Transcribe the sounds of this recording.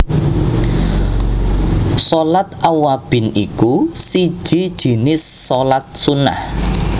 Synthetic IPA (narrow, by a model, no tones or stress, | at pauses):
sɔlat̪awab̥ɪ̤nikusi̥ʒ̥i̤d̥ʒ̥i̤nɪsːɔlat̪̚suna̰h